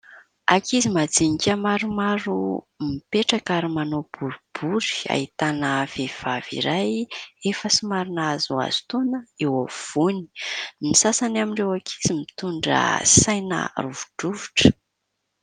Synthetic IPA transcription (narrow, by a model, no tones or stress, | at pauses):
akizimad͡ziŋikʲamaɾumaɾu | mipeʈ͡ʂakaɾimanob̥uɾub̥uɾi̥a̰hit̪anəv̥ev̥av̥ḭɾajefəsimaɾinazua̰z̥u̥t̪onəewav̥uni̥misasanamiɳɖ͡ʐewakʰi̥zimit̪uɳɖ͡ʐə̰sajnə̰ruvuɖ͡ʐuvuʈ͡ʂə̥